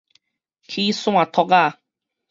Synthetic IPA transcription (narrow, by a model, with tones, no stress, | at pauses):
kʰi˦sũ˦a˨t̪ʰɔ˧ɡa˦˨